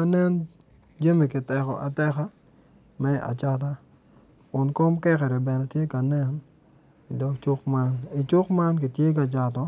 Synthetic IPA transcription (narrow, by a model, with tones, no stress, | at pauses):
a˦nɛ˦n | d͡ʒa˦mi˨kɪ˨tɛ˨kɔ̰˨ʔa˨tɛ˦ka˦ | mɛ˦a̰˨t͡ʃa˦t̬a˦ | kʊ˨nkɔ˦mkɛ˦kɛ˨ɾɛ˨bɛ˨nɛ˨tje˦ka˨nɛ˦n | i˨dɔ˦kt͡ʃʊ˦kma˦ni˨t͡ʃʊ˦kma˦nk̬i˨tje˦k̬a˨t͡ʃa˨tɔ˦